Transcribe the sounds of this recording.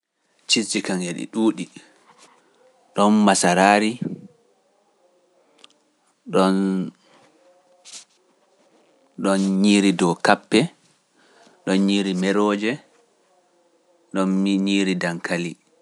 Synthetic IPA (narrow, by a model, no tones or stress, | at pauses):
t͡ʃit͡ʃːikaŋeɗḭɗuːɗi | ɗɔnmasaɾaːɾi | ɗɔn | ɗɔnɲiːɾidɔkapːɛ | ɗɔnɲiːɾimɛɾɔːd͡ʒɛ | ɗɔnɲiːɾidaŋkʰali